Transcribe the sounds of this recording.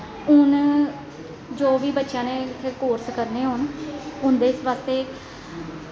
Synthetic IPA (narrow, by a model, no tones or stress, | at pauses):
ʊn | d͡ʒoːʋiːbətːʃjãːnẽːtʰekoːɾskəɾneːɦoːnʊnd̪eːsʋaːst̪eː